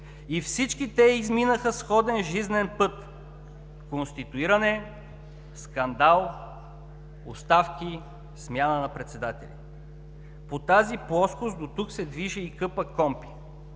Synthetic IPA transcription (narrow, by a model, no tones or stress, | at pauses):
ifsit͡ʃkit̪ɛizminəxəsxɔd̪ɛnʒiznɛnpɤt̪ | konst̪it̪uiɾɐnɛ | skɐnd̪alˠ | o̰st̪afki | smjanənɐpɾɛt̪sɛd̪at̪ɛ̰lʲḭ | pot̪aziplˠɔskosd̪ot̪uksɛd̪viʒɛikɤpəkɔmpi̥